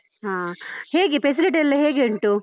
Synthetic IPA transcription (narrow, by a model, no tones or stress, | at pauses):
ɦãːheːɡepes̬ɐɾeʈɐlːɐɦeːɡeːɳʈu